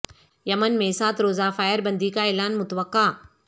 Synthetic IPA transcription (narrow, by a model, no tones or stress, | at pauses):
jɐmənmẽːsaːt̪ɾoːzafaːjəɾbə̃nd̪ikaeːlaːnmʊt̪əʋəqːaː